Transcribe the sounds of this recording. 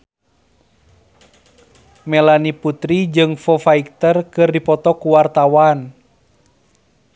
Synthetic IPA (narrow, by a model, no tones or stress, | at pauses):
mɛlaniput̪ɾid͡ʒɨŋfɔfaik̚t̪ərkɨrdipɔt̪ɔkuwart̪awan